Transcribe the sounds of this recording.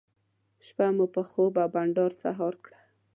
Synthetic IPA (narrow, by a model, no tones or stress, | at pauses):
ʃpamupəxobawbaɳɖɑɾsa̰ɦɑɾkɽa